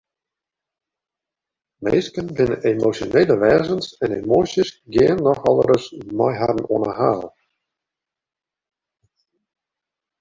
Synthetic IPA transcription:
meːskənbɪnənemosjoneːləʋɛːzənsɛnemoːsjəsɡɪənːɔxɔlˠəɾəsmɔjɦadən̩oənəhaːlˠ

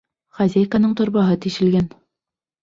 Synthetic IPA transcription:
χæzʲæjkanɤɴt̪ŏɾbɑɦɤt̪iʃɘ̆lɡæn

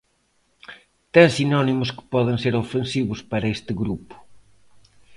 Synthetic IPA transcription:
t̪ãsinɔnimʊskɪ̥pɔðẽŋseɾofẽnsiβʊspɐɾɐest̪ɪɣɾupʊ̥

